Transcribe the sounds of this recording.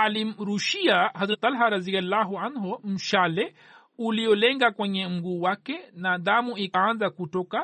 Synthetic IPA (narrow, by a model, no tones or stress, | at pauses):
aliɾuʃiaɦazɾat̪alɦaɾaðialːaɦuanɦɔm̩ʃalɛ | uliɔlɛŋɡakwɛɲɛm̩ɡuːwakɛnaðamuikaanzakutɔka